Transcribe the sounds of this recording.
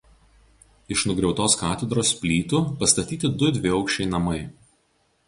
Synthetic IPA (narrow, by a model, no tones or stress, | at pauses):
ɪʃnʊɡɾʲɛʊt̪oːskɑːt̪ʲɛd̪ɾoːspʲlʲiːt̪upɐst̪ɐt̪ʲiːt̪ʲɪd̪ʊd̪ʲʋʲɪɒʊkʃʲt͡ʃʲɛɪnɐmɐɪ